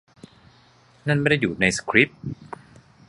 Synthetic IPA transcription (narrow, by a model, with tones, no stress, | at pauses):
na˥˩nma˥˩da˥˩jːuː˨˩na˧jsḁ˧kʰɾi˦˥p̚